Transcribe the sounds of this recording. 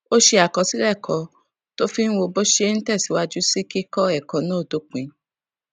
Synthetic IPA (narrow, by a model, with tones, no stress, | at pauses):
o˦ʃe˧a˨kɔ˨˧si˦ɾɛ˦˨kʰɔ˨˧ | to˦fi˦n̩˦wo˧bo˦ʃe˦n̩˦tɛ˦˨si˨˦wa˧d͡ʒu˦si˦ki˦kɔ˦ɛ˦˨kɔ̃˨nã˨˦o˦˨do˨˦k͡pĩ˨